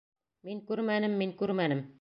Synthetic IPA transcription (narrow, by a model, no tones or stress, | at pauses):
miŋkʉɾmænɘmːiŋkʉɾmænɘm